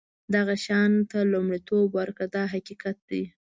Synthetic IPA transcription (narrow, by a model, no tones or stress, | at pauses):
d̪aɣaʃɑnt̪alumɽit̪obwaɾkad̪ɑɦaqiqat̪̚d̪i